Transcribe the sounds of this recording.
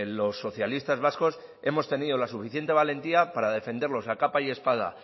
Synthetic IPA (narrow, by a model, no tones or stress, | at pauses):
lo̞sːo̞θjalist̪azβ̞asko̞s | e̞mo̞st̪e̞niðo̞lasufiθje̞nt̪e̞β̞ale̞nt̪iapaɾaðe̞fe̞nd̪e̞ɾlo̞sakapaje̞spað̞a̰